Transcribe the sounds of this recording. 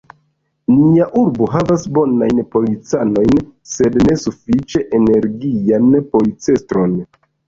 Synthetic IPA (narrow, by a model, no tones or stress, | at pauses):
niaʔuɾboɦavasbo̞najnpo̞lit͡sano̞jnse̞dne̞sufit͡ʃe̞ʔene̞ɾɡianpo̞lit͡se̞stɾo̞n